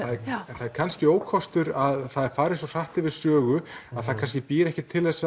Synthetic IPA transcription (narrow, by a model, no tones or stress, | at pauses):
aðɛɛnθaðɛɾkʰanscɪoːwkʰɔst̪ʏɾaðθaðɛɾfaːɾɪsɔr̥aht̪ɪvɪðsœːɣʏaðθaðkʰans̬cɪpɪːɾɛhcɪt̪ʰːɪlɛsːa